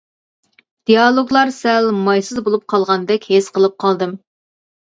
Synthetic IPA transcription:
d̪̥ijɑlˠoɡlˠɑɾsɛlmɑjsɨzbolˠup̚qʰɑlˠʁɑnd̪ɛkʲhesqəlˠɨp̚qʰɑlˠd̪ɨm

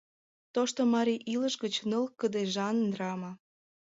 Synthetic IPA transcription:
t̪oʃt̪omɑɾiʔiləʃɣət͡ɕnəlkəd̪eʒɑnənrɑmɑ

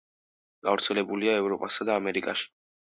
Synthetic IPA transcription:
ɡ̥avɾt̪sʰɛlɛbuliaɛvɾɔpʼasad̪aːmɛɾikʼaʃi̥

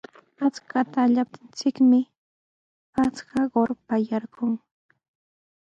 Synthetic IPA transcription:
at͡skat̪aʎap̚t̪ɪnt͡sɪkmɪ | at͡skaɢoɾpajaɾɢʊŋ

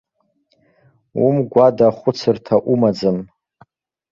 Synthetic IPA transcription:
umɡʷadaχʷʊt͡sʰɨrtʰaʔumad͡zɨm

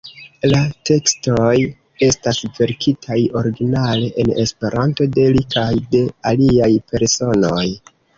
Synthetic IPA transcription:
late̞kstoj | e̞stasve̞ɾkʰitʰajo̞ɾiɡinale̞ʔene̞spe̞ɾʔanto̞de̞likʰajde̞aliajpe̞ɾso̞no̞j

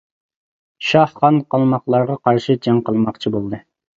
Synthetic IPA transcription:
ʃɑhχɑnqɑlˠmɑqlˠɑɾʁɑqʰɑɾʃɨd͡ʒɛŋqəlˠmɑqt͡ʃʰibolˠd̪ɨ

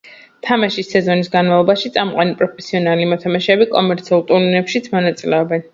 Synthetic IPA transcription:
t̪ʰamaʃisːɛzɔnisɡanmavlˠɔbaʃit̪sʼamqʼanipʼɾɔpʰɛsiɔnalimɔt̪ʰamaʃɛbikʼɔmɛɾt̪sʰiulˠt̪ʼuɾninɛpʃit̪sʰmɔnat̪sʼilɛɔbɛn

